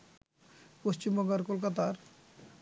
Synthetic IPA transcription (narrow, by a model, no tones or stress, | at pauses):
post͡ɕimbɔɡaɾkolkat̪aɾ